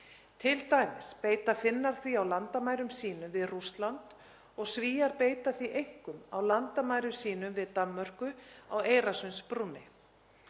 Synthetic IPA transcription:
t̪ʰɪlt̪aːjmɪspeːjt̪afɪnːaɾ̥θviawlant̪amaːjɾʏmsiːnʏmvɪðrust̪lant̪ | ɔɣsviːjaɾpeːjt̪aθviʔejhkʏmawlant̪amaːjɾʏsiːnʏmvɪðt̪amːœr̥kʏaweːjɾasʏjnspɾunːɪ

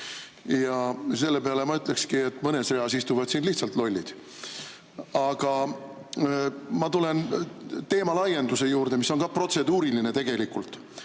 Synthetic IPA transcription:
jɑs̬e̞lːe̞pe̞ɑle̞mɑyt̪ːˑle̞kskie̞t̪ːˑmɤne̞sreɑsist̪uvɑd̪̥sinliht̪sɑlt̪lo̞lʲːid̪̥ | ɑɡ̥ɑ | mɑt̪ule̞nt̪e̞ːmɑlɑjːe̞nd̪use̞juːrd̪e̞misːo̞nkɑpro̞t̪se̞d̪uːɾilinet̪e̞ɡ̥e̞likult̪ːˑ

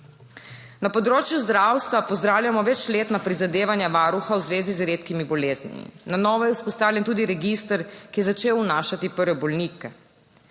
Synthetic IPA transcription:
napɔd̪ɾoːt͡ʃjuzd̪ɾawst̪ʋapɔzd̪ɾaːwlʲjamɔʋɛt͡ʃleːt̪napɾizad̪eːʋanjaʋaːɾuxawzʋeːzizɾeːt̪kimibɔleːznḭmḭnanɔːʋɔjɛuspɔst̪aːwlʲjɛnt̪uːd̪iɾɛɡist̪əɾkijɛzat͡ʃeːwnaːʃat̪ipəɾʋɛbɔlnikɛ

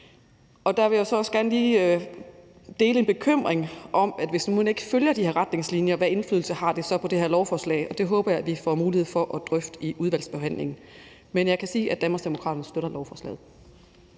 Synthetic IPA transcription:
ɒ̽d̥ɑ̈ʋe̝josɒ̽ɒ̽sɡ̥æɐnəliː | d̥e̝ːləe̝nb̥e̝kʰøm̰ʁeŋʔɒ̽mæd̥ʋe̝snuːne̝ɡ̥əføljɐd̥iheɐʁäd̥ne̝ŋslinjɐʋæe̝nflyːðˠl̩sɐhɑ̈d̥e̝sɒ̽pʰɒ̽d̥e̝heɐlɒʊfɒːslɛ̰ɪɒ̽d̥e̝ɦɔ̽ːb̥ɐjɑ̈ɪæʋifɒmuːlihe̝ð̞̰ˠfɒ̽ʔɒ̽d̥ʁœfd̥əiʔuð̞ˠʋæl̰sb̥e̝ɦæn̰le̝ŋn̩ | menjɑ̈ɪkʰæsiːʔæd̥ænmɐsd̥e̝mo̝kʰʁɑ̰d̥ɐnsd̥øɾɐlɒʊfɒːslɛ̰ːð̩ˠ

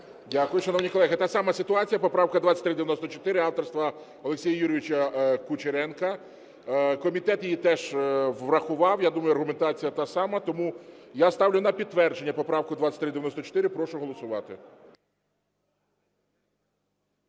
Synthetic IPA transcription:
dʲakʊjʊʃɐnɔʋnʲikɔlˠɛɦɪt̪ɑsɑmɐsɪt̪ʊɑt͡sʲijɐpɔpɾɑwkɐd̪ʋat͡sʲːɐ̥t̪ʲɾɪd̪eʋʲjɐnɔst̪ɔt͡ʃɔ̥t̪ɪɾɪɑwt̪ɔrst̪ʋɐ | ɔlˠeksʲijɐjuɾʲɪʋʲit͡ʃɐkʊt͡ʃeɾɛnkɐ | kɔmʲit̪ɛt̪jijit̪ɛʒʋrɐxʊʋɑwjad̪umɐjʊɐrɦʊme̞nt̪ɑt͡sʲijɐt̪ɑsɑmɐt̪ɔmujast̪ɑwlʲʊnɐpʲid̪t̪ːʋɛrd͡ʒenʲːɐpɔpɾɑwkʊd̪ʋat͡sʲːɐ̥t̪ʲɾɪd̪eʋʲjnɔst̪ɔt͡ʃɔ̥t̪ɪɾɪpɾɔʃʊɦɔlˠɔsʊʋɑ̰t̪ɪ

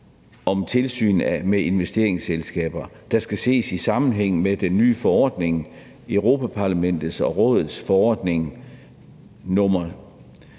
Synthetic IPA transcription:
ɒ̽mt͡sʰe̝lsy̰ːnæmee̝nʋesd̥e̝ːɐe̝ŋselsɡ̥ɛ̰ːb̥ɐ | d̥ɑ̈sɡ̥æse̝̰ːsisɑ̈mn̩ɦeŋ̰med̥enːy̰ːfɒ̽ɒ̰d̥ne̝ŋ | øʊʁo̝pʰæpʰɑ̈læmen̰d̥ð̩ˠsɒ̽ʁɔ̽ːðˠð̩ˠsfɒɒ̰ːd̥ne̝ŋ | nɔmɐ

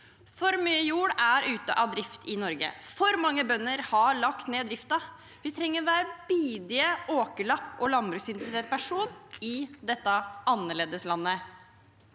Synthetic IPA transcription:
fɔɾmyːəjuːɽæɾʉːt̪ə̰ʔɑʋd̪ɾɪft̪ʰɪnɔɾɡə̰fɔɾmɑŋːəbœnːəɾhɑɭɑkt̪neːd̪ɾɪft̪ɑ | ʋɪt̪ʰɾɛŋːəɾʋæːɾəb̥iːd̪ɪəʔoːkəɭɑpːɔlɑnbɾʉːksɪnt̪ɾəseːt̪̚pʰæʂuːnɪd̪ɛt̪ːɑɑnːəɭeːd̪əslɑnːə

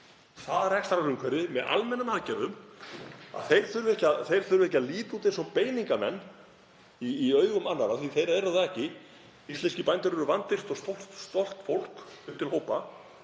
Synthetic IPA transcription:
θaðaɾɛkst̪aɾaɾʏmkʰvɛɾɪmɛðʔa̰lmɛnanaðcɛɾðʏm | a̰ðθejɾ̥θʏɾvʏɛhcaðθejɾ̥θʏɾvʏɛhc̬aðliːt̪ut̪e̥sɔmpeːjniŋkamɛ̰nː | iːœːɥɣʏmanːaɾaθviθejɾaɛɾaðaɛhcɪ | ist̪ɛnscɪpajnt̪ʏɾɛɾʏvant̪ɪst̪ɔst̪ɔlt̪st̪ɔl̥t̪fowl̥kʏm̥t̪ʰɪlhowpa

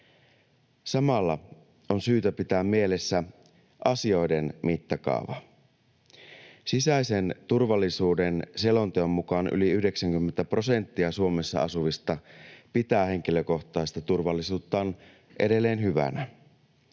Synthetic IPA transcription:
sɑmɑlːɑ | o̞nsyːt̪æpit̪æːmmie̞le̞sːæ | ʔɑsio̞jde̞nmit̪ːɑkɑ̰uʋɑ̰ | sisæise̞nt̪urʋɑlːisuːdenselont̪eomːukɑnʔy̰liyhde̞ksæŋkymːent̪æpro̞se̞nt̪ːiɑsuo̞me̞sːɑ̰ɑ̰suʋist̪ɑpit̪æːhe̞ŋk̟iløko̞ht̪ˑɑist̪ɑt̪urʋɑlːisuːt̪ːɑon | ʔe̞de̞lːeːnɦyʋæ̰næ

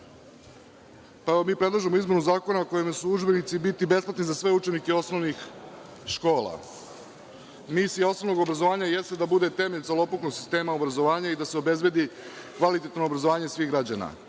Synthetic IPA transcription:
paeʋomiːpɾe̞d̪lˠaʒemo̞izme̞nuzaːko̞naokojemesuud͡ʒbe̞nit̪sibit̪ibe̞splat̪nizasʋe̞ut͡ʃe̞nike̞o̞snoʋnixʃko̞ːlˠa̰ | misijao̞snovno̞ɡobɾazoʋaːɲaje̞st̪ed̪abud̪e̞t̪e̞me̞ʎsalo̞poknoɡsi̥st̪e̞ːmaobɾazo̞ʋaːɲaid̪aseo̞be̞zbe̞d̪ikʋalit̪et̪noobɾazo̞ʋaːɲe̞sʋiːɣɡɾad͡ʑana̰

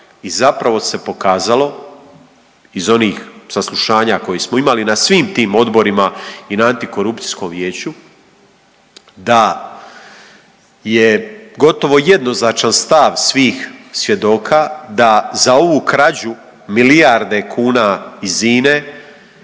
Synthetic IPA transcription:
izapɾaʋo̞se̞po̞kaːzalo̞ | izo̞niːxsaslˠuʃaːɲako̞jismo̞imalinasʋiːmt̪iːmo̞d̪bo̞ɾimainaant̪iko̞ɾupt̪i̥sko̞mʋje̞ːt͡ɕu | d̪a | je̞ɡo̞t̪o̞ʋo̞je̞d̪no̞znat͡ʃanst̪aʋsʋiːxsʋje̞d̪o̞ːkʰad̪azao̞ʋuːkɾad͡ʑu | milijaɾd̪e̞kʰuːnaiziːne̞

